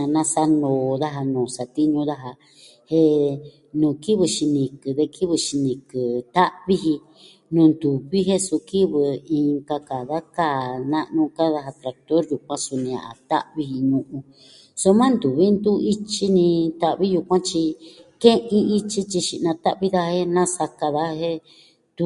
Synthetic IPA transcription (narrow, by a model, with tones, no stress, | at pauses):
a˧nã˧sa˧nõː˨˧ða˦ɦa˧nõː˨sa˨t̪i˦ɲũ˧ða˦ɦa˧ | he˧ | nũː˨ki˦βɨ˧ʃi˧nĩ˧kɨ˨ðe˧kʰi˦βɨ˧ʃi˧nĩ˨kɨ˨t̪a˦ʔβi˦ɦi˧ | nũː˧nd̪u˨βi˦ɦe˦su˧ki˦βɨ˨ĩ˧ŋka˧ka˨ða˦ka˦˨nã˦ʔnũ˧ka˦ða˧ɦa˧t̪ɾa˧k̚t̪o˦ɾju˨k̚ʷã˦su˧nĩ˧a̰˨ʔa̰˨t̪a̰˦ʔβi˧hi˧ɲũ˧ʔũ˧ | so˧mã˦nd̪u˨βi˦nd̪u˦i˦t͡ʃi˦nĩ˧t̪a˧ʔβi˦ju˧kʷã˦t͡ʃi˧kẽ˦ʔĩ˦˧i˦t͡ʃi˦t͡ʃi˧ʃi˧ʔnã˧t̪a˦ʔβi˦ða˦he˦nã˦sa˧ka˧ða˦he˦ | t̪u˧